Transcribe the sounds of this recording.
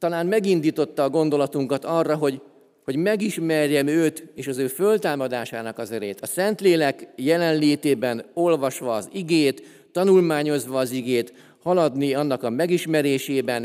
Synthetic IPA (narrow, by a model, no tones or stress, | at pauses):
t̪ɒlaːnmɛɡind̪iːt̪o̞t̪ːɒːɡo̞nd̪o̞lɒt̪uŋkɒt̪ɒrːɒɦo̞ɟ | ho̞ɟmɛɡiʃmɛrjɛmøːt̪eːʃɒzøːfø̞lt̪aːmɒd̪aːʃaːnɒkɒzɛɾeːt̪ɒsɛnt̪leːlɛkjɛlɛnleːt̪eːbɛno̞lvɒʃʋɒːziɡeːt̪ː | ɒnulmaːɲo̞zʋɒːziɡeːt̪ | hɒlɒd̪niɒnːɒkɒmɛɡiʃmɛɾeːʃeːbɛn